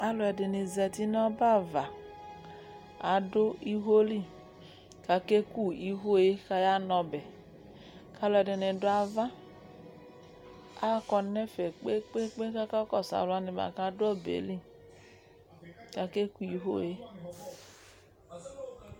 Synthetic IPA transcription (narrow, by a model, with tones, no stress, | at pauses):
a˨lɔ˨ɛ˧de˨ni˨zɛ˧ti˦nɔ˦ba˦˨va˨ | a˨do˦i˦ɦo˦li˦˨ | ka˨˧ke˦ku˦˨i˨ɦo˦˨je˦ka˧ja˦nɔ˧bɛ˨ | ka˨˦lɔ˧ɛ˨de˨ne˨dʊ˦a˧va˦ | a˦kɔ˧nɛ˦fɛ˨k͡pe˦k͡pe˦k͡pe˦ka˦ka˦kɔ˦˨sa̰˨la˧ni˧ba̰˨ka˧˦dʊ˦ɔ˦˨bḛ˨li˦˨ | ka˧ke˦ku˦i˨ɦo̰˦˨je˦